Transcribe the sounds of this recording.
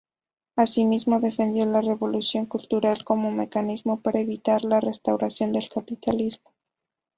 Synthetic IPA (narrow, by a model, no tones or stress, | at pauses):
asimizmo̞ðe̞fe̞nd̪jo̞lare̞βo̞lusjo̞ŋkult̪uɾalko̞mo̞me̞kanizmo̞paɾaeβit̪aɾlare̞st̪awɾasjo̞nd̪e̞lkapit̪alizmo̞